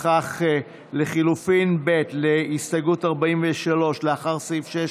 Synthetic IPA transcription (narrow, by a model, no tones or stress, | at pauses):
aχ | leχilufinbe̞tleisaɡutaʁbaiɱveʃalo̞ʃleaχaʁsifʃe